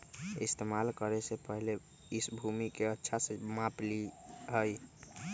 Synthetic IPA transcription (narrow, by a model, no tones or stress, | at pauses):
ḭst̪emalkəɾesepəɦle | isbʱumikeətːʃʰasẽmãpliɦəj